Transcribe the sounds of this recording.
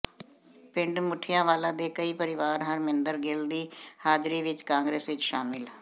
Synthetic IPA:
pɪɳɖmʊʈʰːɪjãːʋaːlãːd̪eːkəiːpəɾɪʋaːɾɦəɾmɪnd̪əɾɡeld̪iːhaːd͡ʒɾiːʋɪt͡ʃkãːŋɡɾeːsʋɪt͡ʃʃaːmɪl

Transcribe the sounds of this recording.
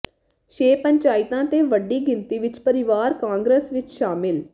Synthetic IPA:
ʃeːpəɲt͡ʃaːɪt̪ãːt̪eːʋəɖiːɡɪnt̪iːʋɪt͡ʃpəɾɪʋaːɾkãːŋɡɾəsʋɪt͡ʃʃaːmɪl

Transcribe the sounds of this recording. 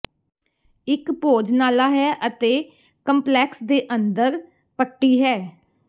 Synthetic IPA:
ɪkpoːd͡ʒnaːlaːɦɛːʔət̪eː | kəmplɛːksd̪eːʔənd̪əɾ | pəʈːiːɦɛː

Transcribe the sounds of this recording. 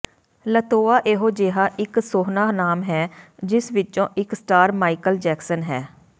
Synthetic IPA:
lət̪oːaːʔeːɦoːd͡ʒeːɦaːʔɪksoːɦnaːnaːmɦɛːd͡ʒɪsʋɪt͡ʃõːʔɪksʈaːɾmaːikəld͡ʒɛːksənɦɛː

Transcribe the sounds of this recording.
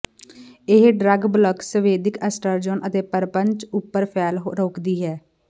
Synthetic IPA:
ɪɦɖɾəɡbləksəʋeːd̪ɪkəsʈəɾd͡ʒɔːnʔət̪eːpəɾpəɲt͡ʃʊpːəɾpʰɛːlɦɾoːkd̪iːɦɛː

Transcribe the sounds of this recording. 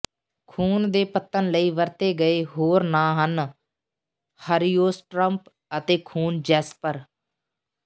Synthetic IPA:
kʰuːnd̪eːpət̪ːənləiːʋəɾt̪eːɡəeːɦoːɾnãːɦən | həɾijoːsʈɾəmp | ət̪eːkʰuːnd͡ʒɛːspəɾ

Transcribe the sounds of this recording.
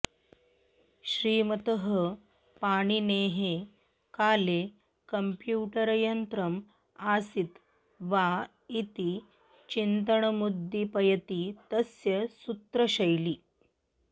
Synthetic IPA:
ɕɾiːmɐt̪əɦə | paɽ̃ineːɦe | kaːle | kəmpjuːʈəɾjɐnt̪ɾəm | asit̪ | ʋa | it̪i | t͡ɕint̪əɳ̃ɐmud̪ʱːipɐjɐt̪it̪ɐsjɐsut̪ɾɐɕɐjliː

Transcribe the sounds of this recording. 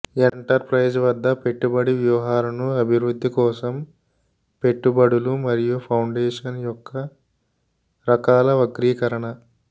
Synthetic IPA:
eɳʈɐɾpɾɐjd͡ʒʋɐd̪ːɐpe̞ʈːubɐɽiʋjɐʋɐɦaːɾɐnuɐbʱiʋɾud̪ʱːikɔːsɐm | pe̞ʈːubɐɽulumɐɾijupʰɐwɳɖeːʂɐnjɔkʰːɐ | ɾɐkaːlɐʋɐɡɾiːkɐɾɐɳɐ

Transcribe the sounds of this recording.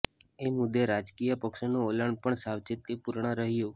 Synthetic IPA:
emʊd̪ːeɾad͡ʒkijəpəkʃonoolaɳpəɳsaʋt͡ʃit̪ːipuɾɳəɾəɦijo

